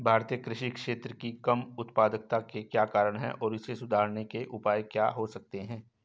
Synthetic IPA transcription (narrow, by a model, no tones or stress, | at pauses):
bʱaːɾt̪ijəkɾɪʃikʃeːt̪ɾəkikɐmʊt̪paːd̪ək̚t̪akekjaːkaːɾəɽ̃ɦɛ̰̃ʔɔːɾɪsesʊd̪ʱaːɾnekeʔʊpaːjkja̰ːɦosɐk̚t̪eɦɛ̃ː